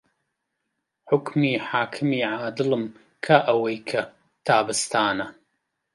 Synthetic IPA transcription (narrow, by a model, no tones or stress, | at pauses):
ħʊkmiːħaːkʰɨmiːʕaːd̪ɨlɨm | kʰaʔɐwɐjkʰɐ | t̪ʰaːbɨst̪ʰaːnɐ